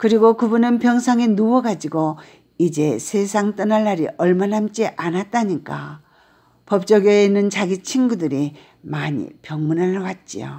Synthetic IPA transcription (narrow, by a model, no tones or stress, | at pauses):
kɯɾiɡokɯbunɯnpjʌŋsʰaŋinuwʌɡad͡ʑiɡo | id͡ʑe̞sʰe̞sʰaŋt͈ɯnaɭːaɾiʔʌɭmanamt͡ɕ͈iʔanat̚t͈aɲik͈a | pʌp̚t͡ɕ͈ʌɡeinːɯnt͡ɕaɡit͡ɕʰinɡudɯɾi | maɲḭpjʌŋmunaɭwat̚t͡ɕ͈ḭjo̰